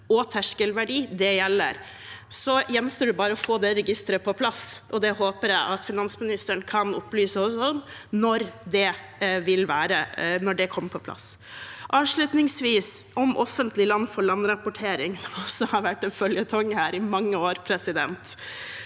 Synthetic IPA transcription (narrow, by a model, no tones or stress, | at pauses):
ɔt̪ʰæʂkəlʋæɖiːd̪ɛjɛlːə̰ɾ | sɔjɛnsəɖʉbɑːɾəɔfoːd̪ɛɾɛɡɪst̪əɾəpʰɔpʰlɑsʔɔd̪ɛhoːpəɾjæɪʔɑt̪fɪnɑnsmɪnɪst̪əɳkʰɑnʊ̰plyːsəɔɔnnɔɾd̪ɛ | ʋɪlʋæːɾənɔɖɛkʰɔmːəpʰɔpʰlɑ̰s | ʔɑːʋʂɭʉt̪nɪŋsʋiːsɔmʔɔ̰fːənt̪lɪlɑnːfɔɭɑnːɾɑpʊʈʰeːɾɪŋsɔmɔsːɔhɑɾʋæʈːɛnfœljət̪ʰɔŋːhæːɾɪmɑŋːəoːɾpʰɾɛsɪd̪ɛ̰nt̪